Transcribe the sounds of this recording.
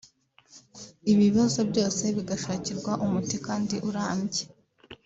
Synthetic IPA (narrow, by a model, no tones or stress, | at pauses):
iβiβazo̞bɟo̞ːse̞βiɡaʃaːciɾɡwaʔumutikaːndiʔuɾaːmɟe